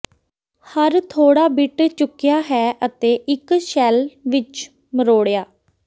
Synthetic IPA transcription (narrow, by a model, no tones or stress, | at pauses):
həɾt̪ʰoːɽaːbɪʈt͡ʃʊkːɪjaːɦɛːʔət̪eːʔɪkʃɛːlʋɪt͡ʃ | məɾoːɽjaː